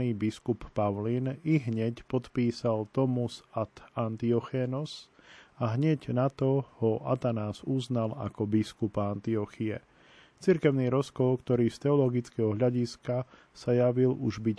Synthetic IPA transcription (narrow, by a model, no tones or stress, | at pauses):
iːbiskupːaʊliniɦɲɛcpɔt̪piːsalt̪ɔmusat̪ant̪iɔxɛnɔs | aɦɲɛɟnat̪ɔhɔʔa̰t̪anaːzuznala̰kɔbiskupaant̪iɔxiɛ̰ | t͡siɾkɛʊniːɾɔskɔlkt̪ɔɾiːst̪ɛɔlɔɡit͡skɛɦɔɦʎaɟiska | sajaʋiluʒbic